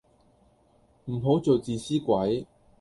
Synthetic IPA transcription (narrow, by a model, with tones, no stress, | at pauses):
m̩˨˩ɦo˨˥wt͡so˨wt͡siː˨siː˥kʷɐ˨˥j